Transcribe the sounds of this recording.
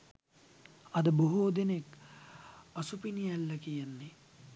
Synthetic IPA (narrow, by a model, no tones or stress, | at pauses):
ɐd̪ɐboɦoːd̪inek | ɐsupinijɐlːɐkijɐnːi